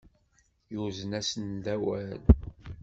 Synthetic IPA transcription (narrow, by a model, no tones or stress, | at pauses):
juzənæsənd̪æwæl